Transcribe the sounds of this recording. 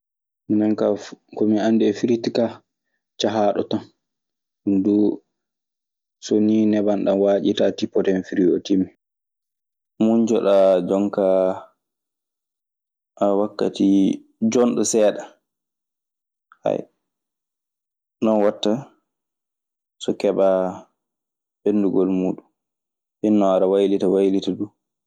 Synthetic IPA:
minɛnkakɔmiandɛfiɾitika | t͡ʃaɦaːɗɔ̰tan | undu | soninɛbanɗanwaːd͡ʒitatipːɔtɛnfiɾiotimːi | mund͡ʒɔ̰ɗad͡ʒɔŋka | ʔawakːa̰ti | d͡ʒɔnɗɔsɛːɗa | ha̰j | nɔnwatːa | sɔkɛba | benduɡɔlmuːɗum | hinːɔaɾawajlitawajlitadu

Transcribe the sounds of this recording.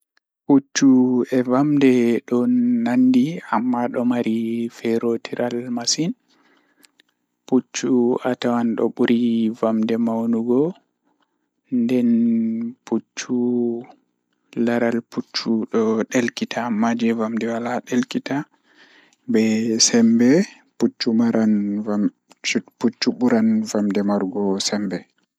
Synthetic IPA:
put͡ʃːuɛvamdɛɗɔnːandiamːaɗɔmaɾifɛɾotʰiɾʔalmasin | put͡ʃːuatawanɗɔ̰ɓuɾivamdɛmawnuɡɔ | ndɛnput͡ʃːu | laɾalput͡ʃːuɗɔɗelkitʰamad͡ʒɛvamdɛwalaɗelkita | bɛsɛmbɛ | put͡ʃːumaɾʔana | put͡ʃːuɓuɾanvamdɛmaɾɡɔsɛmbɛ

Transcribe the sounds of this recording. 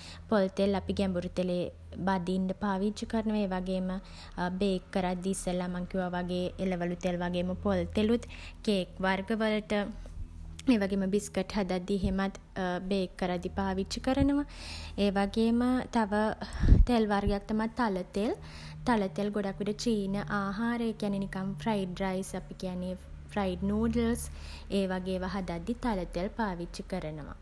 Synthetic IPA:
polt̪elapiɡɛmbuɾut̪eleː | bad̪iːnɖəpaːʋit͡ʃəkəɾənəʋaeːʋaɡeːmə | beːkːəɾad̪ːisəlamaŋkjuʋaʋaɡeːeləʋəlut̪elʋaɡeːməpolt̪elut̪ | keːkʋarɡəʋələʈə | eːʋaɡeːməbiskəʈhad̪at̪ːiɦemat̪ | beːkːəɾad̪ːipaːʋit͡ʃəkəɾənəʋaeːʋaɡeːmət̪aʋət̪elʋarɡejak̚t̪amat̪ːalət̪eəl | t̪alət̪ejəlɡoɖakʋiʈət͡ʃiːnəʔaːɦaːɾəekijanːenikamfrajʈ̚ɾajsapikijanːe | frajɖnoːɖəlseːʋaɡeːʋaɦad̪ad̪ːit̪alət̪eəlpaːʋit͡ʃikəɾənəʋa̰

